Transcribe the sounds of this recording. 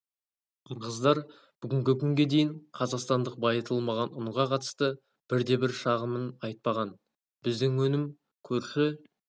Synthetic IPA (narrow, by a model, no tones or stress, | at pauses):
qʰɑɾʁəzd̪ɑɾ | b̥ʏɡʲɪŋɡʲɪkʲʰʏŋɡʲe̞d̪e̞jɪɴqʰɑzɑqst̪ɑnd̪əq̚bɑjət̪ʰəlˠmɑʁɑnʊɴʁɑqʰɑt̪ə̥st̪ə | b̥ɪɾd̪e̞bɪɾʃɑʁəmənɑjt̪̚pɑʁɑn | bɪzd̪ɪŋwɵnɪm | kʲʰɵɾʃɪ